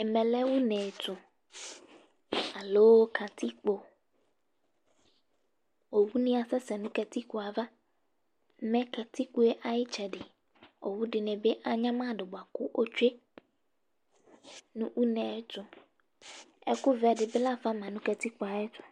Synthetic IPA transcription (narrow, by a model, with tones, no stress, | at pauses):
ɛ˨mɛ̃˨lɛ˦wu˦nɛ̃˨t̪ʊ̃˨ | a˨loː˦kʰa˨t̪i˦k͡po˨ | o˨wu˦nĩ˦a˨sɛ˦sɛ˨nũ˦kɛ˨t̪i˦ku˨a˨va˦ | mɛ̃˦ka˨t̪i˦ku˦e˦ʔa˨jɪ˦t͡ʃɛ˨ɖɪ˨ | o˨wu˦ɖɪ˨nɛ̃˨be˦ʔa˨ɲã˦mã˦˨ɖɪ˨bʊ˨a˨kʊ˦ʔo˦t͡ʃe˦ | nũ˦wʔu˦nɛ̃˨˦t̪ʊ˨ | ɛ̰˦kʊ˦vɛ˨ɖɪ˨bɪ˦la˦fa˦mã˨nũ˦kɛ˨t̪i˦k͡po˨a˨jɪ˦t̪ʰʊ̥˨